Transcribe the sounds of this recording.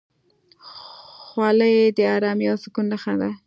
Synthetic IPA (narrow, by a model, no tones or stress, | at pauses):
xwɑləjed̪əɑɾɑmjosɪkunːəxad̪a